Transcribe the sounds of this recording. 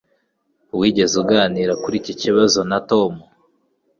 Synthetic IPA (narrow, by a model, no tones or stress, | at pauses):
wiːɟe̞zuɡaːniːɾakuɾiːciciβazo̞natomu